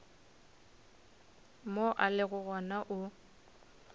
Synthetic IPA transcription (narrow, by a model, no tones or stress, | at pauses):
moʔalɪɣʊɣɔnaʔʊ